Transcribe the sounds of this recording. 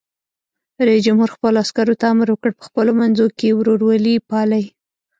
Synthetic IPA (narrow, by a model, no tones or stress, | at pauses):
ɾajisd͡ʒamhuɾxpəloaskaɾot̪aamɾwəkəɽpə̥xpəlomanzokewɾoɾwalipɑlaj